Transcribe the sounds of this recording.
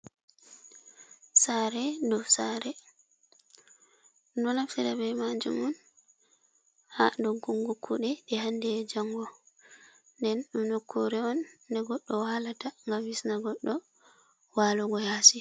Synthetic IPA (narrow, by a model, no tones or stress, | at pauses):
saɾɛdɔfsaɾɛ | nɔnaftiɾabɛmad͡ʒṵmɔn | hadɔɡuŋɡukʰːuɗɛɗɛhandɛd͡ʒaŋɡɔ | ndɛnɗumnokʰːoɾɛɔndɛɡɔɗːɔwalataŋɡamwisnaɡɔɗːɔ | walɔɡɔhaːsi